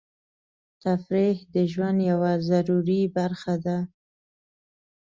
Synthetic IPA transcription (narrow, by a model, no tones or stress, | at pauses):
t̪afɾehd̪əʒwand̪jawazaɾuɾibaɾxad̪a